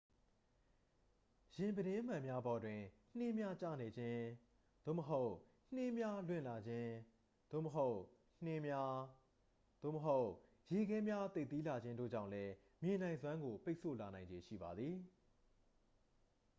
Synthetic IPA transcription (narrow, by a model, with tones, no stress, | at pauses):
jɪ̃˨mbəɾɪ̃˦ʔm̥ã˨mja˦bɔ˨dwɪ̃˨n̥ɪ˦mja˦t͡ɕa̰˦˨ne˨d͡ʑɪ̃˦ | d̪̥o̰˦˨məɦo˦ʊ | n̥ɪ˦mja˦lwɪ̰̃˦˨la˨d͡ʑɪ̃˦ | d̪̥o̰˦˨məɦo˦ʊ | n̥ɪ̃˦mja˦ | d̪̥o̰˦˨məɦo˦ʊʔ | je˨ɡɛ˦mja˦t̪e˦˨t̪ːi˦la˨d͡ʑɪ̃˦ndo̰˦˨d͡ʑã˦˨ʊ̃lɛ˦ | mjɪ̃˨nã˨ɪ̃zwã˦ŋɡo˨pe˦ɪʔso̰˦˨la˨nã˨ɪ̃ɲd͡ʑe˨ʃḭ˦˨ba˨d̪ði˨